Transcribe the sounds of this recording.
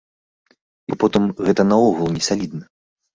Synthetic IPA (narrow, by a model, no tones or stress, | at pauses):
bɔpɔt̪ɨmɣɛt̪ɐnɐɔɣulˠnʲɛsalʲid̪nɨ